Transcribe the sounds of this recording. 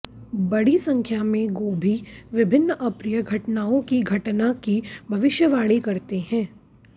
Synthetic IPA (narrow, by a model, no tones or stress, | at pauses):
bɐɽisɐ̃ŋkʰjamẽɡoːbʱiʋɪbʱɪnːʔɐpɾɪjəɡʱɐʈnaːõkiɡʱɐʈnakibʱɐʋɪʃjəʋaːɽikɐɾt̪eɦɛ̃ː